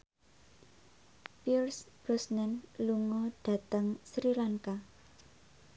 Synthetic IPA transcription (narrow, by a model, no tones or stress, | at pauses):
pirsb̥ɔsnɛnluŋɔɖ̥ä̤t̪əŋsɾilaŋka